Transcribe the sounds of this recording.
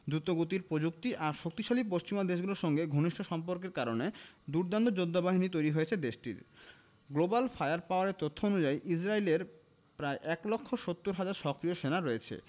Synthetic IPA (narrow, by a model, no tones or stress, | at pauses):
d̪ɾut̪oɡot̪̬iɾpɾod͡ʑuk̚t̪iʔaɾʃok̚t̪iʃalipoʃt͡ɕimad̪eʃ̬ɡuloɾʃɔŋɡeɡʱoniʃʈʰoʃɔmpoɾk̬eɾkaɾoned̪uɾd̪and̪od͡ʑod̪ʱːabaɦinit̪ojɾiɦoet͡ɕʰed̪eʃʈḭɾ | ɡlobalfajaɾpaoaɾeɾt̪ot̪ʰːoonud͡ʑajʔid͡ʑɾaileɾ | pɾaeʔɛklokʰːoʃot̪ːuɾɦad͡ʑaɾʃɔkɾioʃenaɾɔet͡ɕʰḛ